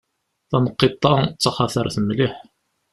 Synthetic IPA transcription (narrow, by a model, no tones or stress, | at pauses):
θɑnəqːit̪ˤːɑt͡sːɑχɑθæɾθəmliħ